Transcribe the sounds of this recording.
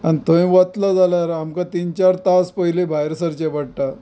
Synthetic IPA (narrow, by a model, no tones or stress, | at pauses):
anit̪ə̃ĩʋət̪lad͡zalaɾamkat̪int͡ɕaɾt̪aspəilebʱajɾsəɾt͡ɕeʋaɽʈa